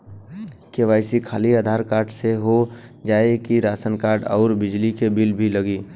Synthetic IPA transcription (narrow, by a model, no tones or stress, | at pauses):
keʋaːɪsikʰaːliaːd̪ʱaːɾkaːɾʈseɦod͡ʒaːekiɾaːsənkaːʈɔ̰ʊɾbɪd͡ʒlikebilbʱiləɡiː